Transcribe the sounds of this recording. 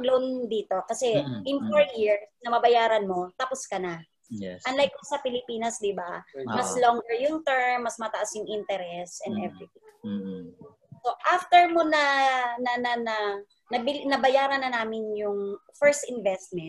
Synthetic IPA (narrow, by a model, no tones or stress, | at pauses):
ɡloʔond̪iːt̪o̞kɐsɛɪnfoɹjɪɹsnɐmɐbɐjaːɾɐnmo̞t̪ɐposkɐna | ʔɐnlajkːosɐpɪlɪpiːnɐsd̪ɪbamɐsloŋɡɛɹjʊŋt̪ɛɹmːɐsmɐt̪ɐʔasjʊŋʔɪnt̪ɛɾɛsʔɛnd̪ɛvɾɪt̪ɪ̃ŋ | soʔaft̪ɛɹmonɐnɐnɐnɐ | nɐbɪnɐbɐjaːɾɐnːɐnaːmɪnjʊŋfɛɹst̪ɪnvɛst̪̚mɛn